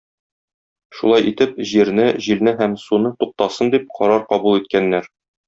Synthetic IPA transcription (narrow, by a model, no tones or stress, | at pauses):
ʃulˠɑjʔit̪ɘp̚ʑiɾnɘʑilnɘɦæmsunɤt̪uq̚t̪ɑsɤnd̪ip̚qʰɒɾɑɾqɒbulˠit̪̚kænːæɾ